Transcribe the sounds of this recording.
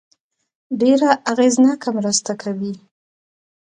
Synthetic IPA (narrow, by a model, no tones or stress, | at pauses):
ɖeɾaʔaɣeznɑkamɾəst̪akʰawi